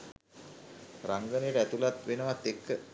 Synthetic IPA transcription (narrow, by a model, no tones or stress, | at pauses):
raŋɡəneɾəæt̪ulat̪ʋenəʋat̪ːekːə